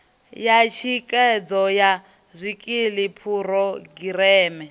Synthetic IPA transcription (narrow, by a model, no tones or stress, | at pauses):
jat͡ʃʰikʼɛd͡zɔja | zʷikʼilipʰuɾɔɡiɾɛːmɛ